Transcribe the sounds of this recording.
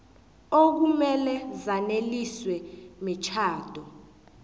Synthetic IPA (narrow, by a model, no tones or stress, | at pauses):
ok̬umɛlɛzaneliswɛmit͡ʃʰaːd̥ʱɔ